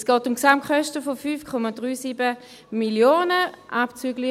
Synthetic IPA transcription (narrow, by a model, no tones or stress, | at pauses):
sɡ̥ɔːtʊmksamkχœʃtəfofyːfkʰɔmadʁyːsiːbə | miljoːnəʔapt͡syːɡli